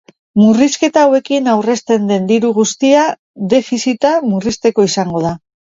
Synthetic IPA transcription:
muriske̞t̪aːwe̞kinawre̞st̪e̞nd̪e̞nd̪iɾuɣ̞ust̪ia | d̪e̞fisit̪amurist̪e̞ko̞isaŋɡo̞ða

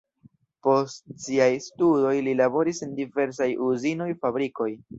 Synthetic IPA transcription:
po̞stsiajstudo̞jlilabo̞ɾisendive̞ɾs̬ajuzino̞jfabɾiko̞j

